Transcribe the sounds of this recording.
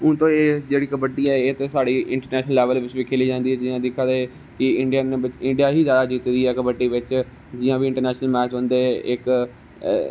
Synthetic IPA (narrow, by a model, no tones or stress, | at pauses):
ʊ̃nt̪õːeːd͡ʒeːɽiːkəbəʈːiɛːeːt̪esaːɽiːɪ̃ɳʈəɾnɛːʃnəlːɛːʋəlʋɪt͡ʃbikʰeːliːd͡ʒãːnd̪iɛːd͡ʒɪːãːd̪ɪkʰːãd̪e | kɪɪ̃ɳɖijaːnẽbɪt͡ʃɪ̃ɳɖijaːɦiːzjaːd̪aːd͡ʒiːt̪d̪iːɛːkəbəʈːiːʋɪt͡ʃ | d͡ʒɪãːbiɪ̃ɳʈəɾnɛːʃnəlmɛːt͡ʃɦõːnd̪eɪk